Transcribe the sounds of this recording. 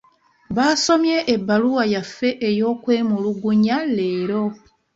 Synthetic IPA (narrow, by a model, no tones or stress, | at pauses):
βaːso̞mjeʔebːaluwajafːe̞ʔejo̞ːkwe̞ːmuluɡuɲaleːɾo̞